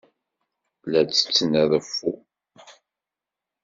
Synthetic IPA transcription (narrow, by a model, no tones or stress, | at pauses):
læt͡sːə̥t͡sːənæðəfːu